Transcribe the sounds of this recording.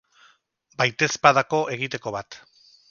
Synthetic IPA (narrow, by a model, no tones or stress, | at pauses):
bajt̪e̞spaðako̞ʔe̞ɣit̪e̞ko̞βat̪